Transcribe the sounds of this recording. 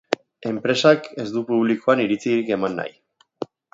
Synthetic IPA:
e̞mpɾe̞sake̞zd̪upuβlikoaniɾit͡siɾike̞manːa̰j

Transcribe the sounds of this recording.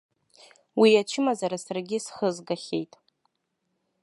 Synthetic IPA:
wiat͡ʃʰɪmazaɾasarɡʲɪsχəzɡaχʲḛjtʼ

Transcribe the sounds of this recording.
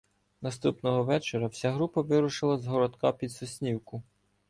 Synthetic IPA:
nɐst̪upnɔɦɔʋɛt͡ʃeɾɐwsʲaɦɾupɐʋɪɾʊʃɪlˠɐzɦɔɾɔd̪kɑpʲid̪sʊsʲnʲiwkʊ

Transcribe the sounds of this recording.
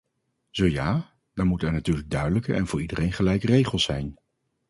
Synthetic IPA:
z̥owjaː | dɑɹmutɛɹnatyːɹləɡ̚dœɥdələkə̰ʔɛ̰nvʊːɹidərejnχəlɛjkərejχəlˠsɛjn

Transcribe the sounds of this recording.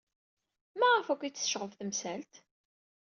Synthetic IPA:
mæʁəfækʷːit͡sːə̥ʃʁəvθəmsælt̪

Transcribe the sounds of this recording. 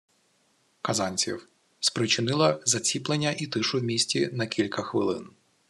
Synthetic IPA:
kɐzɑnʲt͡sʲḭw | spɾɪt͡ʃɪnɪlˠɐzɐt͡sʲiplˠenʲːɐʔit̪ɪʃʊwmʲisʲtʲinɐkʲilʲkɐxʋɪlˠɪ̰n

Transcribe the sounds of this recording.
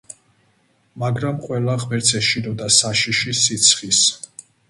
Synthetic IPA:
maɡɾamqʼwɛlaʁmɛɾt̪sʰɛʃid̪ɔd̪asaʃiʃisit̪sʰχis

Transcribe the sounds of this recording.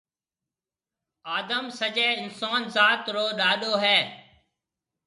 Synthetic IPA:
aːd̪əmsəd͡ʒeːɪnsaːnzaːt̪ɾoːɗaːɗoːɦɛː

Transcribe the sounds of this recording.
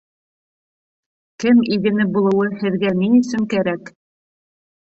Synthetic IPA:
kɘmiɡɘ̆nɘbulˠɤ̆wɤhɘ̆ðɡæniɵ̆sɵŋkæɾæk

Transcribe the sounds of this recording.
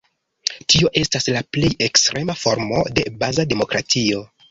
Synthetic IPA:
tio̞ʔe̞staslaple̞je̞kstɾʔe̞mafo̞ɾmo̞̰de̞bazade̞mo̞kɾatio̞

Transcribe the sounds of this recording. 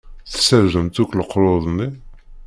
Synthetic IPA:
θsæɾzəmt̪ukləqːɾoðˤni

